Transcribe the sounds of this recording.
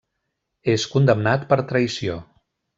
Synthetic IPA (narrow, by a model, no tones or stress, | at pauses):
eskund̪əmnat̪pəɾt̪ɾəjsio